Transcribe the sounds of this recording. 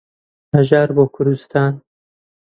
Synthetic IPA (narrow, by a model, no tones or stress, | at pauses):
mɐʒaːɾboːkʰʊɾust̪ʰaːn